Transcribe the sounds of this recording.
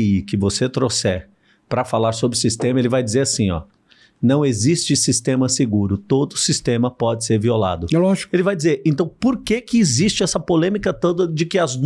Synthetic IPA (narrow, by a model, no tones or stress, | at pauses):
ikɪvoset̪ɾosɛɾ | pɾɐfalaɾsobɾɪʊsist̪ẽmɐelɪvajd͡ʒɪzeɾasĩɔ̰ | nɐ̃w̃ezist͡ʃɪsist̪ẽmɐseɡuɾʊt̪od̪ʊsist̪ẽmɐpɔd͡ʒɪseɾviola̰d̪ʊɛlɔʒikʊelɪvajd͡ʒizeɾẽnt̪ɐ̃w̃poɾkekɪːzist͡ʃɪɛsɐpolẽmikɐt̪õd̪ɐd͡ʒɪkɪɐz